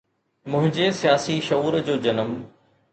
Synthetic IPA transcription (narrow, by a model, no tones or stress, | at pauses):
mʊ̃ɦɪ̃ɲd͡ʑesijaːsiʃɐuːɾd͡ʑoːd͡ʑɐnəm